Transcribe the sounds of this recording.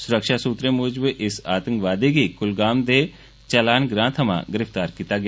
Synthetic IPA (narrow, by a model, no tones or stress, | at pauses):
sʊɾəkʃaːsuːt̪ɾẽːmʊːd͡ʒbeʔɪsaːt̪ə̃ŋkʋaːd̪iːɡiːkʊlɡaːmd̪eː | t͡ʃəlaːnɡɾãːt̪ʰəmã̰ːɡɪɾɪft̪aːɾkiːt̪aːɡɪ